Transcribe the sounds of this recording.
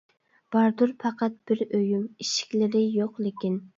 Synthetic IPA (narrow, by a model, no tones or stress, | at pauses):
b̥ɑɾd̪uɾpʰɑqɑt̪̚b̥ɪɾøjymiʃi̥kʲlɪɾɪjoqlˠɪkʲin